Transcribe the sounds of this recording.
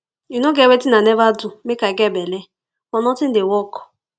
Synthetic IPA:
inoɡewetɪnanevadʊmekaɡebele | ɔnɔtɪn̩dewɔkɔ̥

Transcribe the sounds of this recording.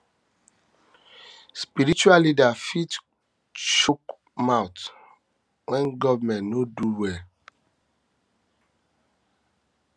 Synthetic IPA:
spiɾit͡ʃualːidafit | t͡ʃuk | maʊt | wɛnɡɔvmɛ̃nnoduwe

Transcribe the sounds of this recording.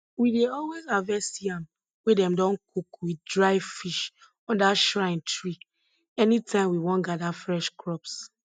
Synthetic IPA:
wideɔlwezavɛsiãm | wedɛ̃mdɔ̃nkʰukwidɹaɪfiʃ | ɔ̃ndaʃɹãɪ̃ntʰɹi | ɛnitʰãɪ̃mwiwɔ̃nɡadafɹɛʃkɹɔps

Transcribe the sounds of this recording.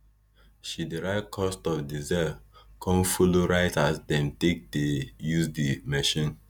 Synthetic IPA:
ʃidiɹaɪkʰɔstɔfdizɛkʰɔ̃nfoloɹaɪtasdɛ̃mtek̚tejuzdimɛʃĩn

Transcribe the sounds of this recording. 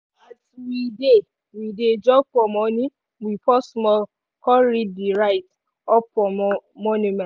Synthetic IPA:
atwide | wided͡ʒɔk͡pɔmɔ̃nĩ | wipɔsmɔl | kɔɾidiɾajt | ɔpɔ̃mɔnũmɛ̃

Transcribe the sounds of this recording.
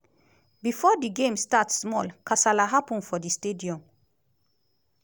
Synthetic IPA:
bifɔːd̪iɡẽmstatsmɔlkʰasalaɦapũnfɔd̪istediɔ̃m

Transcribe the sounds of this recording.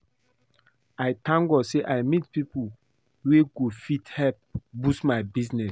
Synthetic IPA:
ajtãŋɡɔseʔajmitpipu | weɡofithɛp̚busmajbiznɛs

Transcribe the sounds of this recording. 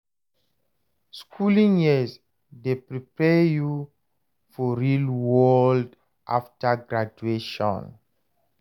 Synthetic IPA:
skʰulĩŋjɛs | depɾipɛju | fɔɹilwɔld | ʔaftaɡɾad͡ʒueʃɔ̰̃n

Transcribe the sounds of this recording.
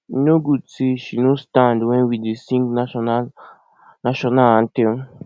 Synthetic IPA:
nũɡut͡siʃinũst̪ãnd̪wẽwid̪isĩŋɡnãʃona | nãʃonããnt̪ẽ

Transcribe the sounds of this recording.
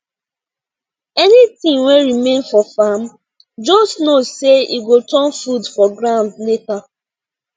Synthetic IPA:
ɛnitĩŋweɹimẽnfɔfam | d͡ʒɔsnozseiɡotɔ̃nfudfɔɡɾãʊ̃ndleta

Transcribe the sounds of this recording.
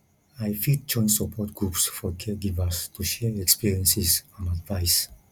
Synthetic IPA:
ajfit̚d͡ʒɔ̃j̃nsəpʰɔt̚ɡ̥ɹupsfɔkʰɛɡivastʰuʃɛɹɛkspiɹiə̃nsizãnadvajs

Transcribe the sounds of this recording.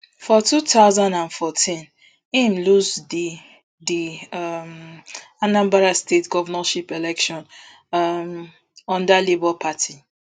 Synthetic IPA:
fɔtutaʊzãndãnfɔtĩn | ĩmlusd | dim | anãmbaɾastetɡɔvanaʃipɛlɛkʃɔ̃n | m | ɔ̃ndalebɔlpʰatʰi

